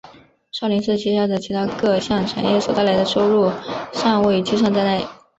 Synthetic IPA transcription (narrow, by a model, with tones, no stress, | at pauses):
ʂʊli˧˥nʂɹ̩˥˩t͡ɕʰi˥˩ɕja˥˩d̪ə˩t͡ɕʰi˧˥t̪ʰa˥kɤ˥˧ɕjɑ˥˩ŋʈ͡ʂʰa̰˨˩njɛ˥˩swɔ˨˩t̪a˥˩ɪla˧˥ɪd̪ə˧ʂo˥ʊɻu˥˩ʂɑ˥˧ŋwe˥˩ɪt͡ɕi˥ʂɑ˥˧ŋt͡s̪a˥˧ɪna˥˩ɪ